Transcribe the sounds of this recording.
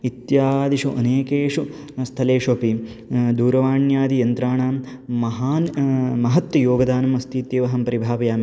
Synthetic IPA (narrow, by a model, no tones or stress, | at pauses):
it̪jaːd̪iʂuʔɐneːkeːʂu | st̪ʰɐleːʂopi | d̪uːɾɐʋaːɳjaːd̪ijɐnt̪ɾaːɳaː | mɐɦaːnmɐɦɐt̪ʋɐjoːɡɐd̪aːnɐmɐst̪ʰiːt̪jeːʋɐɦɐmpɐɾibʱaːpɐjaːmi